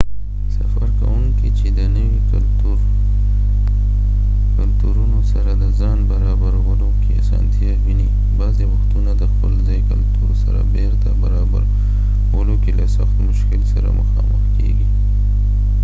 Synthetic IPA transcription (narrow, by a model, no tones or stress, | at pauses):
safaɾka̰wuŋkit͡ʃed̪ənəwik | t̪uɾ | kalt̪uɾunosaɾad̪əzɑnbaɾɑbaɾwəlokeasɑ̰nt̪ʰijaɣini | bɑzewaxt̪unad̪əxpəlzɑjkalt̪uɾsaɾa̰beɾt̪abaɾɑba̰ɾ | wəlokelasaxt̪mʊʃkɪlsaɾa̰məxɑ̰məxkḛɡi